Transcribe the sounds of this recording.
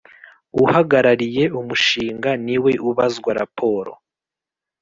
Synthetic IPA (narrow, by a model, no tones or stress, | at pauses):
uhaɡaɾaɾije̞ʔumuʃiːŋɡaniwe̞ʔuβazɡwaɾa̰pʰo̞ːɾo̰